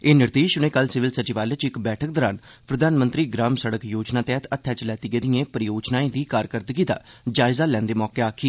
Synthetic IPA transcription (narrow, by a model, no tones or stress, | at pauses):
eːnɪɾd̪eːʃʊɽ̃eːkəlsɪʋɪlsət͡ʃiʋaːlet͡ʃɪkbɛːʈʰək̚d̪ɔːɾaːnpɾəd̪ʱaːnmənt̪ɾiːɡɾaːmsəɽəkjoːd͡ʒnãːt̪ɛːt̪ət̪ʰːjaːt͡ʃlɛːt̪iːɡeːd̪iẽːpəɾɪjoːd͡ʒnaːẽːd̪iːkaːɾkəɾd̪əɡiːd̪a̰ːd͡ʒaːɪzaːlɛ̃ːnd̪eːmɔːkeːaːkʰiː